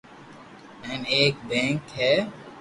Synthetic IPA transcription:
ɛ̃ːmeːkbɛ̃ːŋkɦɛː

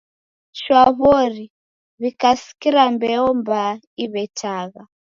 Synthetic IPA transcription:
ʃwaβɔɾi | βikasi̥kiɾambɛɔmba | iβɛtʰaɣa

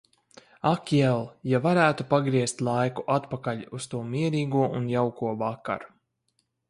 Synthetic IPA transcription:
akɛlˠjavaɾæːt̪upaɡɾiɛst̪lˠajkuʔat̪pakaʎʲust̪uɔmiɛɾiːɡuɔʔunjawkuɔvaka̰ɾ

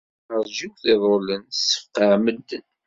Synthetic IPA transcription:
ɾʒiwθɪðˤolənsə̥fqːəʕməd̪ːən

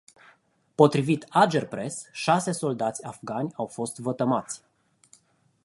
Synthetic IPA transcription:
po̞t̪ɾivit̪ad͡ʒe̞rpɾe̞sʃase̞so̞ld̪at̪sʲafɡanʲawfo̞st̪vət̪əmat̪sʲ

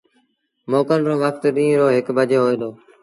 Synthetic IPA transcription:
moːkənɾõːʋəkʰt̪ɗĩːɾoːɦɪkbəd͡ʒeːɦoːeːd̪oː

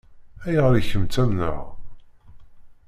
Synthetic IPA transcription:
æjʁəɾiçəmt͡sæmnə̰ʁ

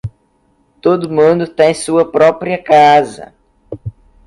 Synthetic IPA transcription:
t̪od̪ʊmũd̪ʊt̪ẽj̃suɐpɾɔpɾiɐkazɐ̰

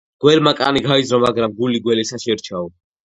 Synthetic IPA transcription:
ɡ̥wɛɾmakʼa̰niɡaizɾɔmaɡɾamɡuliɡwɛlɛsaʃɛɾt͡ʃʰaɔ

